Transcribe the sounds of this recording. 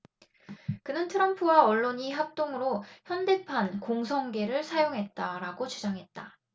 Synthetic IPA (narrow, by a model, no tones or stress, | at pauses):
kɯnɯntʰɯɾʌmpʰɯwaʌɭːoɲiɦap̚t͈oŋɯɾoçjʌnde̞pʰankoŋs̬ʰʌŋɡe̞ɾɯɭsʰajoŋɦe̞t̚t͈aɾaɡot͡ɕud͡ʑaŋɦe̞t̚t͈a